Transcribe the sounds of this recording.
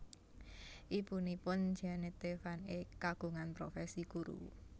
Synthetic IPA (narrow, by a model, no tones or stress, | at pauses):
ʔibunipʊnd͡ʒanet̪efanekaɡ̥ṳŋanpɾofɛsikuɾṵ